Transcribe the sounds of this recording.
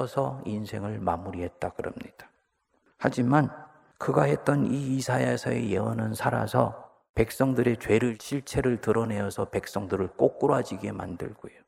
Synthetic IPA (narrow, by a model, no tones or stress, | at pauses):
ʌsʰʌinsʰe̞ŋɯɭmamuɾiɦe̞t̚t͈akɯɾʌ̰mɲid̥ḁ | had͡ʑiman | kɯɡaɦe̞t̚t͈ʌniːsʰaesʰʌḛjeʌnɯnsʰaɾa̰sʰʌ̰ | pe̞k̚s͈ʌŋdɯɾe̞t͡ɕwe̞ɾɯɭɕʰiɭt͡ɕʰe̞ɾɯɭtɯɾʌne̞ʌsʰʌpe̞k̚s͈ʌŋdɯɾɯɭk͈ok̚k͈uɾoad͡ʑiɡe̞ma̰ndɯ̰ɭɡ̥ojo